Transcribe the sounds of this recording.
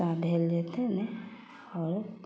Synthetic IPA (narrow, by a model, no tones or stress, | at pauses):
abʱeld͡ʒet̪ɛ̃nɛ | ɔɾ